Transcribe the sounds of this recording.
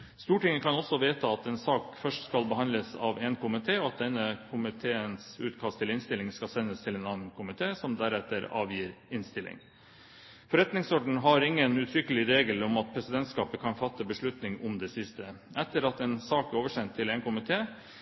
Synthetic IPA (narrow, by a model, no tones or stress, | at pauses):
st̪uːʈɪŋːəkʰɑnɔsɔʋeːt̪əɑt̪eːnsɑːkfœʂʈskɑlbəhɑnləsɑ̰ʋeːnkʰʊmɪt̪ʰeːɔɑt̪̚d̪ɛnːəkʰʊmɪt̪ʰeːənsʉ̰ːt̪kʰɑst̪ʰːɪlɪnst̪ɪlɪŋskɑlsɛnːəst̪ʰɪleːnɑːnn̩kʰʊmɪt̪ʰeːsɔmd̪æɾɛt̪ːəɾɑ̰ːʋjiːɾɪnst̪ɪlʔɪ̰ŋ | fɔɾɛt̪nɪŋsɔɖɳ̩ɦɑɾɪŋːənʉːt̪ʰɾʏkːəlɪɾeːɡəlɔmɑt̪̚pʰɾɛsɪd̪ɛnt̪skɑːpəkʰɑnfɑt̪ːəbəʂɭʉt̪nɪŋɔmd̪ɛsɪst̪ə | ɛt̪ːəɾɑt̪ɛːnsɑːkæɾoːʋəʂɛnt̪ʰːɪleːnkʊmɪt̪ʰeː